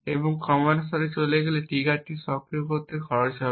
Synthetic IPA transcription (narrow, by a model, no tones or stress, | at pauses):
ebɔŋkɔmansɔɾet͡ʃoleɡeleʈiɡaʈːisɔkɾiokot̪eɡʱɔɾt͡ʃɔ